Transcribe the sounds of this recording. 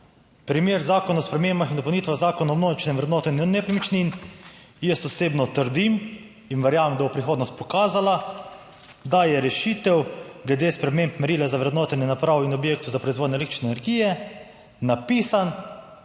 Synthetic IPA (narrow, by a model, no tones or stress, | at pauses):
pɾimeːɾzaːkɔnaɔspɾɛmeːmbaxind̪ɔpɐwnit̪ʋaɣzaːkɔnuːmnoːʒit͡ʃnɛʋɾɛd̪noːt̪ɔinnɛpɾimit͡ʃnin | jɛst̪ɔseːbnɔt̪əɾd̪im | inʋɛɾjaːʋemd̪abɔpɾixoːd̪nɔst̪̚pɔkaːzala | d̪ajɛɾɛʃit̪ɛwɡlɛd̪eːspɾɛmempmɛɾiːlɛzaʋɾɛd̪noːt̪ɛnɛnapɾaːʋɔinɔbjeːk̚t̪uzapɾɔizʋoːd̪nɛlekt̪ɾi̥t͡ʃnɛnɛɾɡiːjɛ | napiːsan